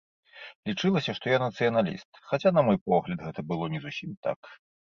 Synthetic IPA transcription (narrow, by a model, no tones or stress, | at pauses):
lʲit͡ʂɨlˠɐsʲɐʂt̪ɔjanɐt̪sɨjɐnalʲḭst̪xat͡sʲanɐmɔjpɔɣlʲɐd̪ɣɛt̪ɐbɨlˠɔnʲɛzusʲimt̪a̰k